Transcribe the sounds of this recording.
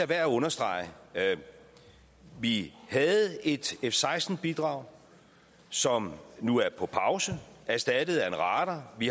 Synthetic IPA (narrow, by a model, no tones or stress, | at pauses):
æʋæɐ̰ɔ̽nɐsd̥ʁɑ̈ɪə | ʋihɛð̩ˠe̝d̥efsɑ̈ɪsd̥n̩b̥id̥ʁɑ̈ʊ̰ | sɒ̽mnuæɐpʰɒ̽pʰɑ̈ʊsəæɐsd̥æd̥əð̩ˠæenʁɑ̈ːd̥ɐʋi